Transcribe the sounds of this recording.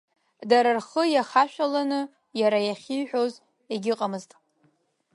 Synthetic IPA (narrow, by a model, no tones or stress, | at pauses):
daɾarχəjaχaʃᶣalanɨ | jaɾajaχʲijħᶣo̞z | eɡʲɪqʼamɨztʼ